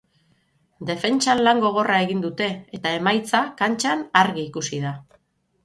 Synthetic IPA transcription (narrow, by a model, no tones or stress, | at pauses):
d̪e̞fe̞nt͡ʃanlaŋɡo̞ɣ̞o̞rae̞ɣind̪ut̪e̞ːt̪ae̞majt͡sakant͡ʃanaɾɣiːkusið̞a